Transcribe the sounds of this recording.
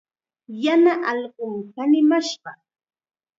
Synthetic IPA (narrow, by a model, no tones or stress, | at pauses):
janaʔɑlɢoŋkanɪmaʃɢɑ